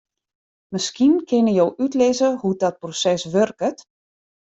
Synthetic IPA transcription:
məskinkʰɪnəjowʔytlɪzəhudɔt̚prosɛsʋørkət

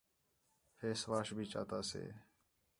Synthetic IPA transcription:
feːsʋaːʃbʱiːt͡ʃa̰ːt̪aːsḛː

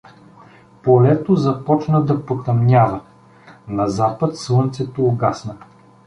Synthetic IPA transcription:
polɛt̪ozɐpɔt͡ʃnəd̪ɐpot̪ɐmnʲavə | nɐzapət̪slˠɤnt̪sɛt̪oːɡasnə

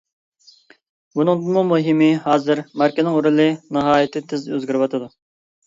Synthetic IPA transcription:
bunɨŋd̪ɨnmumuɦɪmɪhɑːzɨɾmæɾkʲɪznɪŋuɾɨlˠɨnɨɦɑːjit̪ʰɪt̪ʰɪzøzɡʲiɾɪwɑt̪ʰɨd̪u

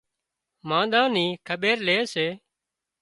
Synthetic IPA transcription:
mãːɗ̪ãːniːkʰəɓeːɾleːseː

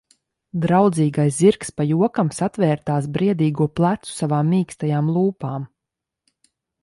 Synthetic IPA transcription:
d̪ɾawd̪ziːɡajsziɾkspajuɔkamsat̪vɛːɾt̪aːs̬bɾiɛd̪iːɡuɔplˠat̪su̥savaːmːiːkst̪ajaːmlˠuːpaːm

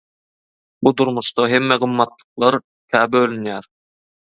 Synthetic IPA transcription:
bud̪uɾmuʃt̪ɑɦe̞mːeɢɯmːɑt̪lˠɯ̥qlˠɑɾ | k̪ʲʰæːbølʲynjæːɾ

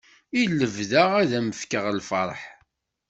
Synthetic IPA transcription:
ilːəvðaʁæðæməfkəʁlfəɾˤħ

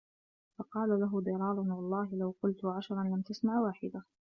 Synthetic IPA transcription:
fɑqɑːlalaɦʊd̪ɑɾˤɑːlˤʊnwɑlˤːɑːɦɪlawqʊlt̪ʊʕaʃɾˤɑnlamt̪asmaʕwaːħɪd̪a

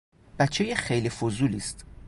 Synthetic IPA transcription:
b̥æt͡ʃʰːejexejlifozuːliːst̪

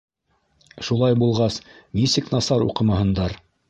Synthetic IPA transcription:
ʃulˠɑjbulˠʁɑsmʲisɘknɑsɑɾṵqɤ̆mɑɦɤ̆nd̪ɑɾ

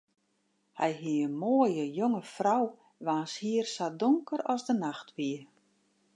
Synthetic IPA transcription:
hɛjɦiənmoːəjəjoŋəfraw | ʋaːnshiərsadoŋkəɾɔzdənaxtʋiə

